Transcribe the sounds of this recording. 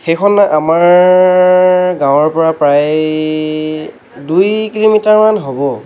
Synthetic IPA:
xejkʰɔnaʔamaɹ | ɡãw̃ɔɹpɔɹapɹaj | dujkilomitaɹmanɦobɔ

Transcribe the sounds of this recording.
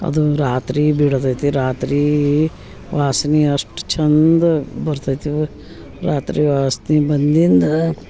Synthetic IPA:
ɐ̰d̪uɾaːt̪ɾiːbiɽt̪ɐt̪iɾaːt̪ɾiː | ʋaːsniɐsʈt͡ʃʰɐnd̪bɐɾt̪ɐt̪i | ɾaːt̪ɾiːʋaːsnibɐnd̪ind̪

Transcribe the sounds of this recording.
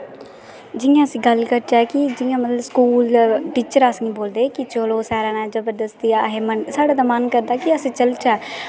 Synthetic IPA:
d͡ʒɪjãːəsĩːɡəlkəɾt͡ʃaːkɪd͡ʒɪjãːmət̪ləbskuːlʈiːt͡ʃəɾaːsɡĩːboːld̪eːkɪt͡ʃoloːsɛːɾaːnãːd͡ʒəbəd̪əst̪iːaɦeːmənsaːɽaːt̪aːmənkəɾd̪aːkɪəsĩːt͡ʃəlt͡ʃaː

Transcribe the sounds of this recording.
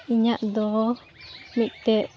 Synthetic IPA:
iɲaʔd̪ɔ | miʔt̪ɛʔ

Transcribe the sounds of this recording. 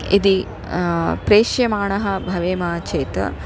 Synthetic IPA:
id̪i | pɾeːʃjɐmaːɳɐɦɐbʱɐʋeːmaːt͡ʃeːt̪ɐ̰

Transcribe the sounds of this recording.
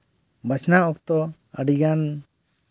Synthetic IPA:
basnaɔkt̪ɔ | a̰ɖiɡan

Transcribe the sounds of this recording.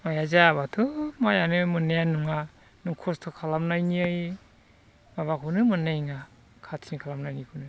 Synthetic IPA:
majazaβatʰumajanɯmɯnejanuŋa | nuŋkʰɔstʰɔkʰalamnajniaj | maβakʰɯnɯmɯnaŋa | kʰatʰinikʰalamnajnikʰɯnɯ

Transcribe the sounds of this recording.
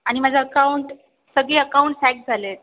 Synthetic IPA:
aɽ̃imad͡zʱeəkauɳʈ | səɡɭeəkauɳʈsæk̚d͡zʱalet̪̚

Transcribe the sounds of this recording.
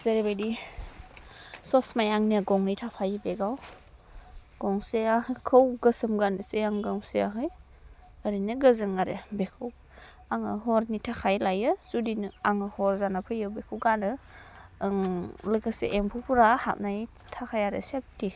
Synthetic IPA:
z̥ɐɾibajdi | sɔsmajaŋniaɡɔŋɯjtʰapʰajɯbeɡaw | ɡ̥ɔŋseahɯkʰəwɡəsɯmɡanɯseaŋɡamseaɦɯj | əɾinɯɡəzɯŋaɾebekʰɯw | aŋɯɦɔɾnitʰakʰajlajɯzudinɯaŋɯhɔɾzanapʰɯjɯbekʰɯwɡanɯ | ŋlɯkasḛʔempʰupʰuɾaha̰p̚naj | tʰakʰajaɾḛsep̚ti

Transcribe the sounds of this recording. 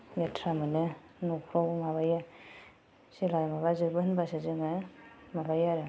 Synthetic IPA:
ɡetʰɾamɯne | nukʰɾɔwmaβaja | silajmaβazɯbɯnbasazɯŋɯmabajaɾɯ

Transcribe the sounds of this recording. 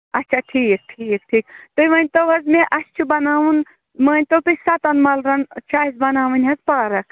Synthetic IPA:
ɐt̪ːt͡ʃʰaːʈʰiːk̚ʈʰiːk̚ʈʰiːkt̪ɨjʋɐnʲt̪ɐwɦɐzmeʔɐst͡ʃʰubɐnaːʋun | mɐːnʲt̪ɐwt̪ɨsɐt̪ɐnmɐlɾɐnt͡ʃʰaːizbɐnaːʋɨnʲɦɐzpaːɾɐkʰ

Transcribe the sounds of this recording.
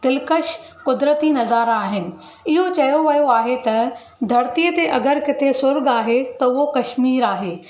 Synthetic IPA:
d̪̥ɪlkəʃ | kʊd̪ɾət̪inɐzaːɾaːɦɪnɪ̆ | ɪɦot͡ɕɐjoʋɐjoaːɦet̪ɐ | d̪ʱɐɾt̪iət̪eʔɐɡəɾkɪt̪ʰesʊɾɡaːɦet̪ɐʊɦokɐʃmiːɾaːɦeː

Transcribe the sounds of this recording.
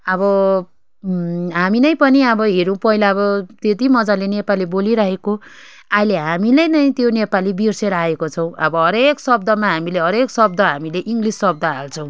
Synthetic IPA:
ʌbʌ | ɦaminʌj̃pʌniʌbʌɦeɾũpʌɦilaʌbʌt̪et̪imʌd͡zalenepaleboliɾʌɦeko | ajleɦamilʌjnʌj̃t̪jonepalibirseɾaekot͡sʰʌw̃ʌbʌɦʌɾeksʌb̚d̪ʌmaɦamileɦʌɾeksʌb̚d̪ʌɦamileʔiŋɡlisːʌb̚d̪ʌɦalt͡sʰʌw̃

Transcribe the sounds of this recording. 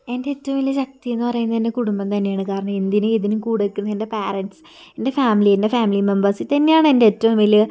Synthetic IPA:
e̞ndeːtːɐʋmilɨɕɐk̚t̪ijenːɨpɐrɐjunːɐt̪inːekuɽumbɐmt̪ɐnːejaːɳɨkaːɾɐɳɐmind̪jinɨiðinumkuːɽekʲːunːɐðende̞paːrɐnsɨ̥ | ende̞faːmiliendefaːmilimembɐrsɨt̪ɐnːejaːɳɨendeːtːɐʋumilɨ

